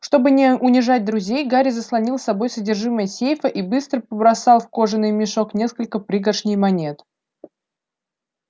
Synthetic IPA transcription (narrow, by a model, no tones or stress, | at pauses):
ʂt̪o̞bɨnʲɪʊnʲɪʐat̚ʲd̪ɾʊzʲejɡaɾʲɪzəslˠɐnʲilˠsɐbo̞jsədʲɪrʐɨməjəsʲejfəʔibɨst̪ɾəpəbɾɐsɑlˠfko̞ʐɨnːɨjmʲɪʂo̞knʲe̞skəlʲkəpɾʲɨɡəʂnʲɪjmɐnʲe̞t̪